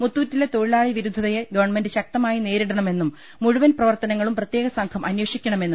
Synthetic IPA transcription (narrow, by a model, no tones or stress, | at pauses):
mut̪ːuːtːile̞t̪o̞ɻilaːɭiʋiɾud̪ʱːɐðɐjeɡɐʋɐrɳme̞ndɨɕɐk̚t̪ɐmaːjine̞ːɾiɽɐɳɐme̞nːumː | uɻuʋɐnprɐʋɐrt̪ɐnɐŋːɐɭumprɐt̪je̞ːɣɐsɐŋkʰɐmʔɐnjɐːʂikʲːɐɳɐme̞nːu